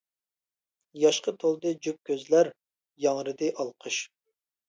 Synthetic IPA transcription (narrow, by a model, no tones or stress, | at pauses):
jɑʃqʰət̪ʰolˠd̪ɨd͡ʒyp̚kʲʰøzlæɾ | jɑŋɾɨd̪ɨʔɑlˠqʰəʃ